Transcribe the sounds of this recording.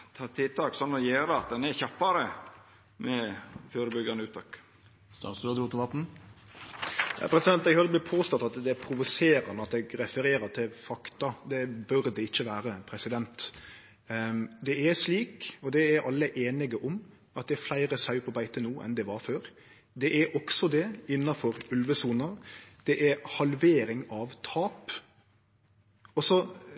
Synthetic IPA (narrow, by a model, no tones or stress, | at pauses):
t̪ʰɑːt̪ʰɪlt̪ʰɑːksɔnːɔjeːɾəɑt̪̚d̪ɛnɛɾçɑpːɑɾə | mɛfjuːɾəbʏɡɑnəʉːt̪ʰɑk | st̪ɑ̰nsd̪ʉɔd̪ɾuːt̪ɪʋɑt̪n̩ | ɑ̰pʰɾɛsɪd̪ɛnt̪ːɛɡhɑləblɪpʰoːst̪ɔt̪ːɑt̪d̪ɛpʰɾʊʋʊseːɾɑ̰nəɑt̪ɛɡɾɛfəɾeːɾəɾt̪ʰɪlfɑkt̪ɑd̪ɛbœɾd̪ɛɪçːəʋæːɾəpʰɾɛsɪd̪ɛnt̪ | d̪ɛæɾsliːkɔd̪ɛæɾʔɑlːəʔeːnɪɡəʔɔm | ɑt̪̚d̪ɛæɾflæɪɾəsɑʉpʰɔbæɪt̪ənuːʔɛ̰nd̪ɛʋɑɾføːɾ | d̪ɛʔæɾʔɔksɔd̪ɛɪnːɑfɔɾʉlʋəsuːnɑd̪̥ɛʔæɾhɑlʋeːɾɪŋɑʋt̪ʰɑːp | ɔsɔ